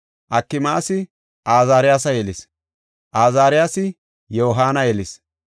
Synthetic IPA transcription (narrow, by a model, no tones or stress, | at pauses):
ʔɐkːɪmaːsɪ | ʔaːzaːɾɪjaːsɐjɛlɪs | ʔaːzaːɾɪjaːsɪ | joːɦaːnɐjɛlɪs